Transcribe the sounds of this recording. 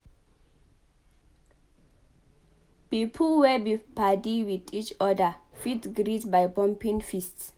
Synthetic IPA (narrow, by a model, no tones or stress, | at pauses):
pipʰlwɛbipadiwidit͡ʃɔdəfitɡɹidbajbɔ̃mpĩŋfists